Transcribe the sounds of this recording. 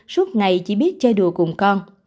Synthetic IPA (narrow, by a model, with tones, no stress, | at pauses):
su˦˥ət̚ŋa˨˩jt͡ɕḭ˧˦ɓi˦˥ət̚t͡ɕɔ˧ɗu˨˩əkʊ˨˩ŋ͡mkɔ˧n